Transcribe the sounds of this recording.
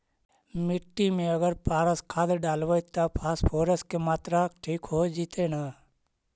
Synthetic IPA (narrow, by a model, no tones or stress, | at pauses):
mɪʈːimẽəɡəɾpaːɾəskʰaːd̪ɖaːlʋət̪apʰaːspʰoːɾəskemaːt̪ɾakʈʰiːkɦoːd͡ʒiːt̪ʰenaː